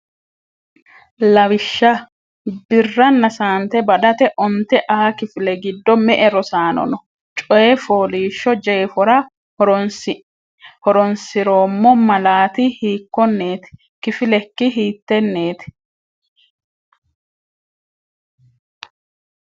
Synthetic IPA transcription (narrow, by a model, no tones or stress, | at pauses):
lɐwɪʃːɐ | bɪrːɐnːɐsaːnt̪ɛbɐd̪ɐt̪ɛʔɔnt̪ːɛʔɐɐkɪfɪlɛɡɪd̪ːɔmɛʔɛɾɔsaːnɔ̰nɔ | t͡ʃʼɔjɛfoːliːʃːɔd͡ʒɛːfɔɾɐ | hɔɾɔnsɪɾo̞ːmːɔmɐlaːt̪ɪhiːkːɔnːeːt̪ɪ̥ | kɪfɪlɛkːɪɦiːt̪ːɛnːe̞ːt̪ɪ̥